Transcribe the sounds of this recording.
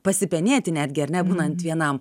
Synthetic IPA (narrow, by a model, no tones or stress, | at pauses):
pɐsʲɪpʲɛnʲeːt̪ʲɪnʲæːd̪ʲɡʲɪɐɾʲnʲɛbuːnɐnt̪ʋʲiɛnɐm